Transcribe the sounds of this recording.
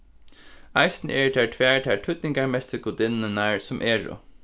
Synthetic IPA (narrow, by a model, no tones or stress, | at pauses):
ajsnəɛɹt̪ʰæːɹt̪ʰʋɛːɹt̪ʰɛːɹʈʰʊt̪̚nɪŋkaɹmɛsɪɡʊd̪ɪnɪnaɹsʊmʔɛːɹʊ̰